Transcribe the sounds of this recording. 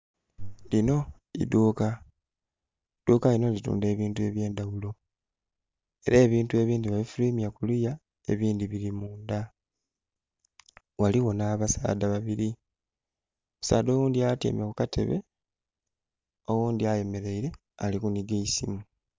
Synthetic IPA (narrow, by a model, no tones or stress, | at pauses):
lino̞ | ḭduːka | d̥ukalino̞litṵːnde̞ːβiːntue̞βje̞ːndawulo̞ | e̞ɾeːβiːntue̞βiːndiβaβifuliːmiakuluja | e̞̰βiːnd̪iβilimuːnd̪a | waliwo̞naβasa̰ːdaβaβiɾi | musa̰ːd̪o̞wuːnd̪iatjḛmekukatʰe̞̰βe̞ | owuːnd̪iaje̞me̞ɾe̞iɾe̞ | alikuniɡeisḭmu